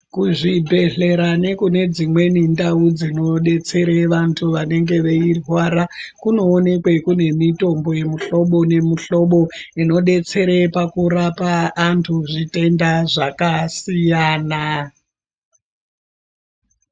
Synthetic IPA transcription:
kuʐibʱe̞ɬe̞ɾane̞kune̞d͡zimwe̞nindaud͡zino̞ɗe̞t͡se̞ɾeʋantʰuʋane̞ŋɡe̞ʋe̞irwaːɾakuno̞ːne̞kwe̞kune̞mito̞mbo̞je̞muɬo̞ɓo̞ne̞muɬo̞ɓo̞ino̞ɗe̞t͡se̞ɾepakuɾapaːntʰuʐite̞ndaʐakasijaːna

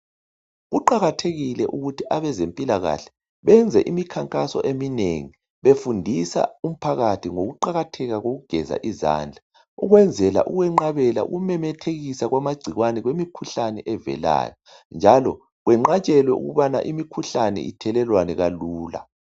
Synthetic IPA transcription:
ɣuǃaɣatʰeɣilɛʔuɣutʰiʔaβɛzempʼilaɣa̰ɬɛ̥ | βɛnd͡zʱɛ̰ʔimikʰaŋkʼasɔ̰ʔeminḛŋi | βefundʱisa̰um̩pʰaɣatʰiŋoɣuǃaɣatʰɛɣaɣoɣuɡ̥ʱɛza̰ʔiza̰ːnd͡ɮʱa | uɣwɛnd͡zʱɛla̰ʔuɣwɛŋ͡ǃaβɛla̰ṵɣumɛmɛtʰeɣisaɣwamaɡ͡ǀʱiɣwanɛɣwemikʰuɬanɛʔɛvɛ̰la̰ːjɔ | nd͡ʒʱalɔ | ɣwɛŋ͡ǃat͡ʃʼɛlwɛʔṵɣuβana̰ʔimikʰuɬanɛ̰ʔitʰɛlɛlwanɛɣaluːla̰

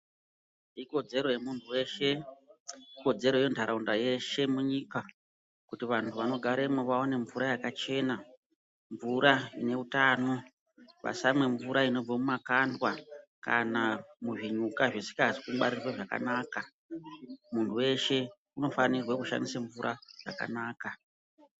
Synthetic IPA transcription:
iko̞d͡ze̞ɾo̞jemuntʰuwe̞ːʃe̞ | iko̞d͡ze̞ɾo̞je̞ndʱaɾaundaje̞ʃe̞muɲika | kutiʋantʰuʋano̞ɡʱaɾe̞muʋaone̞ɱvuɾajakat͡ʃe̞ːna | ɱvuɾaine̞utaːno̞ | ʋa̰samwe̞ɱvuɾaino̞b͡vamumakandwaka̰namuʐiɲukaʐesi̥kazi̥kuɓa̰ɾirweʐaka̰naːka | muntʰuwe̞ʃe̞ | uno̞fanirwekuʃa̰ndisaɱvuɾʔaʐ̥a̰ka̰naːka

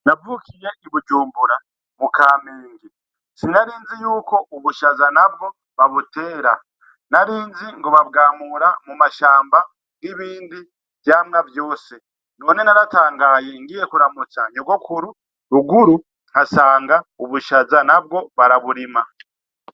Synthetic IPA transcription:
navuːkije̞ʔiβud͡ʒuːmbuɾa | mukaːmeːŋɡi | sinaɾiːnzijuːko̞ʔuβuʃazanab̚ɡo̞ | βaβute̞ːɾa̰ | naɾiːnziŋɡo̞βaβɡaːmuɾamumaʃaːmba | ɡiβiːndi | vjamŋavjo̞ːse | no̞ːne̞naɾataːŋɡaːje̞ŋɡije̞kuɾamut͡saɲoɡo̞kʰuɾu | ɾuɡuɾu | ŋ̥hasaːŋɡauβuʃazanab̚ɡo̞βaɾaβuɾima

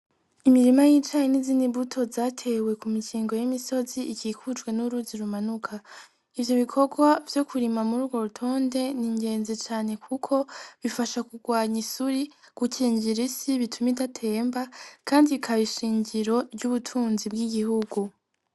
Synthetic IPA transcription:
imiɾimajit͡ʃajenizinibutʰo̞zaːtʰe̞we̞kumikiːŋɡo̞jimiso̞ziikiːkud͡ʒɡwe̞nuɾuziɾumanukʰa | ivjo̞βikʰo̞ɡwavjo̞kuɾimamuɾuːɡwo̞ɾutʰo̞ːnde̞niɲɡe̞ːnzit͡ʃaːne̞kʰukʰo̞βifaʃakuɡwaːɲisuɾiɡ̥ucʰiːɲɟiɾisiβitʰumidatʰe̞ːmbakʰaːndikʰaβiʃiːɲɟiɾo̞ɾɟuβutʰuːnzib̚ɡiɡihuɡu

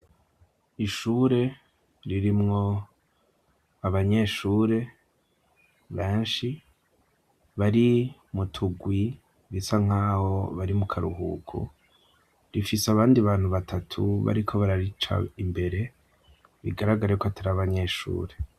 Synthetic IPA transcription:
iʃuːɾe̞ | ɾiɾimŋo̞ | aβaɲe̞ːʃuːɾe̞ | βeːnʃi | βaɾimutʰuɡwi | βisaŋ̥aːho̞̰βaɾimukʰaɾuhṵkʰṵ | ɾifiseaβaːndiaβaːn̥huβatʰatʰṵβa̰ɾikʰo̞βaɾaɾit͡ʃa̰imbe̞ɾe̞ | βḭɡaɾaɡaɾajkoataɾaβaɲe̞ːʃṵːɾe̞

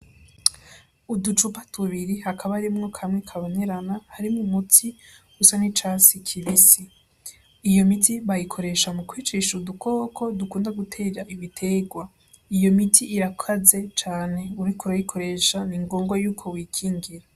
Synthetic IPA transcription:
udut͡ʃupatʰuβiɾihakʰaβaɾimŋo̞kʰamŋekʰaβo̞neɾanahaɾimumutʰiɡusanit͡ʃasikʰiβisi | ijo̞mitʰiβajikʰo̞ɾe̞ʃamukwiːt͡ʃeʃudukʰo̞ːkʰo̞dukuːndaɡutʰe̞ːaʔiβitʰe̞ɡwa | ijo̞mitʰiʔːɾakʰaze̞t͡ʃaːne̞uɾikʰuɾajikʰo̞ɾe̞ʃaniŋɡo̞ːŋɡwojuːkʰo̞wiːkʰiːŋɡiɾa

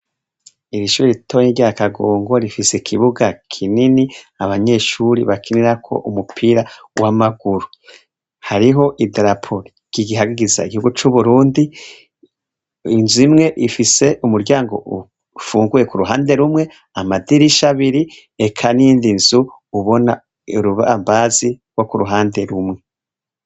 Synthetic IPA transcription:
iɾiʃuːɾitʰoniɟiakaɡoːŋɡo̞ɾifisekʰiβuɡakʰininiaβaɲe̞ːʃuːɾiβakʰiniɾakʰo̞̰ʔumupʰiːɾa | wʔamaɡ̥uɾu | haɾiɦo̞ʔideɾapʰoɾi | ɡ̥iɡiɦaɡiɡiza̰iɡihuɡut͡ʃuβuɾuːndi | inzuimŋe̞ʔifise̞ʔumuɾɟaːŋɡo̞̰ʔu | fuːŋɡuje̞kuɾuɦaːnde̞ɾumŋe̞ | amadiɾiʃaβiɾi | ekʰaniiːndinz̥uuβo̞na | uɾuβambazi | ɡwo̞kuɾuɦaːnde̞ɾumŋe̞

